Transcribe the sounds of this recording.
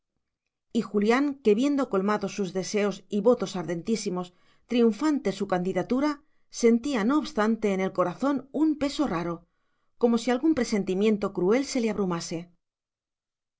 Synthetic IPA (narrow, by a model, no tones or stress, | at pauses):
ixuljaŋke̞βje̞nd̪o̞ko̞lmaðo̞suzðe̞se̞o̞siβo̞t̪o̞saɾðe̞nt̪isimo̞s | t̪ɾiuɱfant̪e̞sukand̪iðat̪uɾa | se̞nt̪iano̞ːβst̪ant̪e̞ːne̞lko̞ɾaθo̞numpe̞so̞raɾo̞ | ko̞mo̞sialɣumpɾe̞se̞nt̪imjẽ̞nt̪o̞kɾue̞lse̞le̞aβɾumase̞